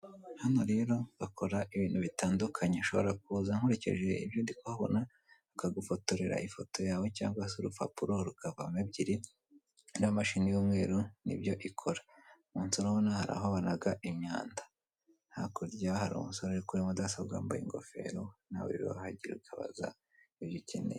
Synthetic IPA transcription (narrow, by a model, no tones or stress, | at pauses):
hanoɾeɾo̞ɡakʰo̞ɾaʔiβiːn̥huβitaːndukʰaɲeʃo̞βo̞ɾak̚uːzaŋ̥huɾe̞cḛʒe̞ḭbjondikohaβo̰naː | kaɡufotoɾeɾa̰ifo̞to̞jaːwe̞ca̰ːŋɡwasoɾufa̰puɾoɾukaβamebɟiɾi | namaʃinijumŋe̞ːɾonḭbjo̞ʔikʰo̞ɾḁ | muːnsoɾohonahaɾa̰ɦoβanaɡaʔimɲa̰ːnda | n̥hakoɾjahaɾṵmṵnsoɾoɾikuɾimudasabɡa̰ːmba̰jḭŋɡo̞̰fe̞̰ɾona̰wṵɾḭo̰ahaɟiɾeukʰaβa̰za̰ | iβjicinḛ